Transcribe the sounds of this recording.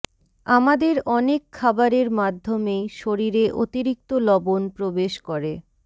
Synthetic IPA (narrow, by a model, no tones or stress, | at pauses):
amad̪eɾɔnekʰːabaɾeɾmad̪ʱːomejʃoɾiɾeʔo̰t̪iɾik̚t̪olɔbonpɾobeʃkɔɾe